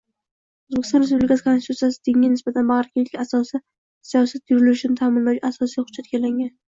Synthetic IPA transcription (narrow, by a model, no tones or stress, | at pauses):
ɵzbekʰʲɪ̥st̪ɒnɾes̬publɪkasɪkʰonst̪ʰut̪sijasɪd̪eŋʲanɪsbat̪ʰanbaʁɾkʰʲeasɒsɪ | sijɒsat̪̚jʊɾɪlɪʊʃnɪt̪ʰaːmɪnlawt͡ʃasɒsijχʊd͡ʒːat̪̚ɡʲalaŋʲan